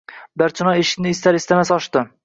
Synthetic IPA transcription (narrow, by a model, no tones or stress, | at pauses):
bæɾt͡ʃʰɪnɑeʃɪ̥kʲnɪːst̪ʰæɾist̪amɛsɒʃt̪ɪ